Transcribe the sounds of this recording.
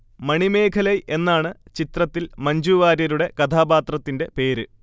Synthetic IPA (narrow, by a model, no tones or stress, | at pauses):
mɐɳime̞ːkʰɐlɐjʔe̞nːaːɳɨt͡ɕit̪rɐt̪ːilmɐɲd͡ʑuʋaːɾjɐɾuɽe̞kɐt̪ʰaːbaːt̪rɐt̪ːinde̞pe̞ːɾɨ